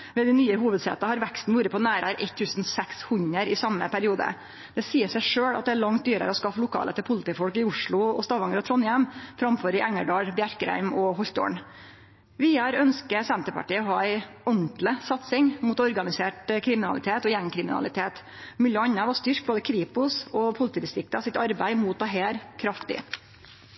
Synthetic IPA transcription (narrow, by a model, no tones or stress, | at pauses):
ʋɛːd̪ɪnyːəɦuːʋəd̪sḛːt̪ɑhɑɾʋækst̪n̩ʋuːɾəpɔnæːɾəɾʔɛt̪ʰːʉːsn̩sɛkshʉɲəɾɪsɑmːə̰pʰæɾɪuːd̪ə̰ | d̪̥ɛsiːəʂæɪʂøːɽɑt̪̚d̪ɛæɭɑŋt̪̚d̪yːɾə̰ɾəɔskɑfːəlʊkʰɑ̰ːlə̰t̪ʰɪlpʰʊlɪt̪iːfɔlkɪʊʂɭʊɔst̪ɑːʋɑŋəɾɔt̪ʰɾɔnjæmfɾɑmføːɾɪʔæŋːəɖɑːɽbjæɾkɾæ̰ɪmɔɦɔlt̪o̰ːɳ | ʋɪɑːɾœnskəsɛnt̪əpɑ̰ʈiːəɔɦɑːæɪ | ɔnt̪ləsɑt̪sɪŋmuːt̪ɔɾɡɑnɪseːʈkʰɾɪmɪnɑlɪ̰t̪ʰeːt̪ɔjɛŋkʰɾɪmɪnɑ̰lɪt̪ʰeːt̪ | mʉləɑɲːəʋɑst̪ʏɾk̚boːd̪əkʰɾiːpʊsɔpʰʊlt̪iːd̪ɪst̪ɾɪk̚t̪ɑsɪt̪ɑɾbæɪmuːt̪̚d̪ɛɦeːɾkʰɾɑft̪ɪ̰